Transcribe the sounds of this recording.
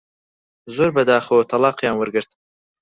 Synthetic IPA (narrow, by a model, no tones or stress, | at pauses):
zoɾbɐd̪ɑːxot̪ʰalɑːqjɑːnwəɾɡəɾt̪